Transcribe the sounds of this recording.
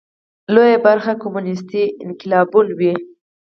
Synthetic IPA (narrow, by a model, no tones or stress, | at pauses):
lojabaɾxakomunɪs̬t̪iɪnkɪlɑbulwi